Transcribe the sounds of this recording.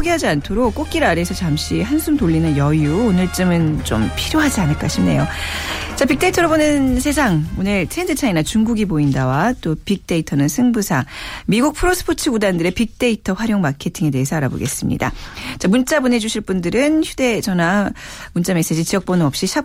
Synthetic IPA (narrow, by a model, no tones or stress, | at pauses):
oɡiɦad͡ʑiantʰoɾokk͈ok̚k͈iɾaɾe̞sʰʌt͡ɕamɕ͈ihansʰumtoʎːinɯnjʌjuonɯɭt͡ɕ͈ɯmɯnt͡ɕ͈o̰mpʰiɾjoɦad͡ʑianɯɭk͈aɕʰimne̞̰jot͡ɕapik̚t͈e̞itʰʌɾʌbonɯnsʰe̞sʰaŋonɯɭtʰendet͡ɕʰainat͡ɕuŋɡuɡiboindawat͈opik̚t͈e̞itʰʌnɯnsʰɯŋbusʰamiɡuk̚pʰɯɾos͈ʰɯ̥pʰot͡ɕʰɯɡudandɯɾe̞pik̚t͈e̞itʰʌɸwaɾjoŋmakʰe̞tʰiŋe̞de̞ɦesʰʌaɾabo̰ɡe̞̰s͈ɯmɲḭda̰t͡ɕamunt͡ɕ͈abune̞d͡ʑuɕʰiɭp͈undɯɾɯnçjude̞d͡ʑʌnamunt͡ɕ͈ame̞s͈e̞d͡ʑit͡ɕiʌk̚p͈ʌnɯʌp̚ɕ͈iɕʰa